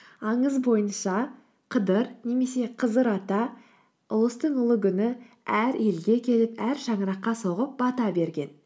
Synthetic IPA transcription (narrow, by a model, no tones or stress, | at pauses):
ɑɴəzbo̞jənʃɑ | qʰəd̪əɾne̞me̞se̞qʰəzəɾɑt̪ɑ | ʊlˠəst̪əɴʊlˠəɡʲʰʏnɪ | æɾe̞lɡʲe̞kʲʰe̞lɪpæɾʃɑɴəɾɑqːɑso̞ʁəp̚bɑt̪ɑbe̞ɾɡʲe̞n